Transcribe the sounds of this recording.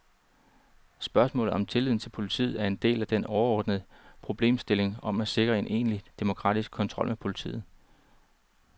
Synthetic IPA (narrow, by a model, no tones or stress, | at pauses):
sb̥ɶɐsmɔ̰̽ːlð̩ˠɒ̽mt͡sʰe̝lið̰ˠn̩t͡sʰe̝lpʰo̝lit͡sʰḭːð̩ˠæɐe̝nd̥e̝̰ːlæd̥enɒʊɐɒ̰ːd̥nəðˠəpʰʁo̝b̥le̝̰ːmsd̥e̝le̝ŋɒ̽mæse̝ɡ̥ʁɐe̝nʔe̝̰ːnlid̥e̝mo̝kʰʁɑ̰̈ːd̥isɡ̥̚kʰɒ̽nt͡sʰʁɒ̽lmepʰo̝lit͡sʰḭːð̩ˠ